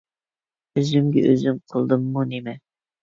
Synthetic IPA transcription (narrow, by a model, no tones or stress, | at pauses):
øzymɡʲɛʔø̰zymqʰəlˠd̪ɨmːunemɛ